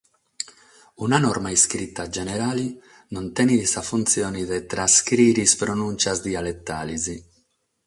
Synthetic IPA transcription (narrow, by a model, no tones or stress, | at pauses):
unanɔrmaiskɾit̪ːad͡ʒɛneɾaːli | nont̪ɛnisafunt̪sjoːniðet̪ɾaskɾiːɾispɾonunt͡ʃazd̪ialet̪ːaːlizi